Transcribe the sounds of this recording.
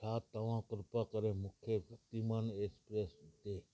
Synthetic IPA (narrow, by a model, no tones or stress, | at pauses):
ʈʰaːt̪ːəʋãːkɾɪpaːkəɾẽːmʊkʰesəkt̪imaːneːspɾeːst̪eː